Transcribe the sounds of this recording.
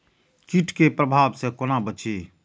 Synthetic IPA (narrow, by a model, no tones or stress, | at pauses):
kiʈʰkepɾəbʱaːbsekonabət͡ʃʰiː